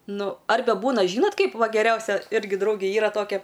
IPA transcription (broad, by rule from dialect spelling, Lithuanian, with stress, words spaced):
ˈnʊ ˈɐrʲbʲɛ ˈbuːnɐ ˈʒʲiːnoːt ˈkɐɪp ˈʋɐ ɡʲɛˈrʲɛʊsʲɛ ˈɪrʲɡʲɪ ˈdrɐʊɡʲeː ˈiːrɐ ˈtoːkʲɛ